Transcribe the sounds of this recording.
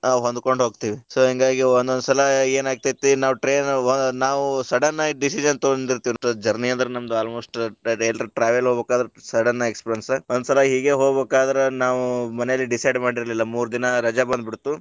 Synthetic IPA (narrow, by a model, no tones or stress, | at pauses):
aɦond̪ko̞ɳɖɦo̞ːɡ̚t̪iːʋisoːɦiŋɡaːɡiond̪ond̪sɐlɐe̞ːnaːɡ̚t̪ajt̪ːinaːʋuʈɾeːnnaːʋusɐɖɐnːɐiɖisid͡ʒɐnt̪ond̪iɾt̪iʋid͡ʒɐɾnijɐnd̪ɐɾenɐmɐd̪uaːlmo̞ːsʈelɾeʈɾaːʋɐlɦoːɡbekaːd̪ɐɾesɐɽɐnːɐekspɾiɐnsond̪usɐlɐɦiːɡe̞ːɦo̞ːɡbeːkaːd̪ɐɾenaːʋumɐnɛjɐlːiɖisɐjɖmaːɽiɾɐlilːɐmuːɾud̪inɐɾɐd͡ʒabɐnd̪biɽut̪ːu